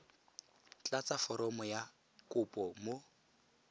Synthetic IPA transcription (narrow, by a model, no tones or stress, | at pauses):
t͡ɬʼat͡sʼafɔɾɔmɔja | kʼʊpʼɔmo